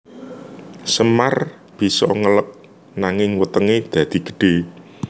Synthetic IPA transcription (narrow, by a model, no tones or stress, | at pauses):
səmar | b̥i̤sɔŋələk̚ | naŋɪŋwət̪əŋed̪̥ä̤d̪̥i̤ɡ̥ə̤̥ɖ̥e̤